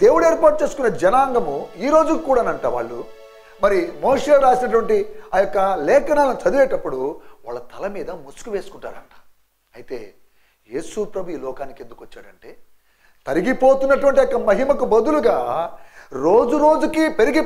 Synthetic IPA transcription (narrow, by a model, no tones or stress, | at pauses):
d̪̥eːwuɽueːɾpaːɾʈ̚t͡ʃe̞ːsukunːɐd͡ʒɐnaːŋɡɐmuiːɾo̞ːd͡ʒukːuːɽaːnɐɳʈaːʋa̰ːɭːu | mɐɾimoːʂelɾaːsinɐʈ̬uʋɐɳʈiaːjɔkːɐlɛːkɐnaːlɐnit͡ʃɐd̪iʋeːʈɐpːuɽuʋaːɭːɐt̪ʰɐlɐmiːd̪ɐmusu̥kuʋe̞ːsu̥kuɳʈa̰ːɾɐ̰ɳʈḁː | ɐjit̪e̞̰ː | je̞ːsupɾɐbʱuiːlɔːkaːnike̞nd̪ukʋɐt͡ʃːaːɽɐɳʈe̞ː | t̪ɐɾiɡipo̞ːt̪unːɐʈ̬uʋɐɳʈijɔkːɐmɐɦimɐkubɐd̪uluɡaː | ɾo̞ːd͡ʒuɾoːd͡ʒukiːpe̞ɾiɡi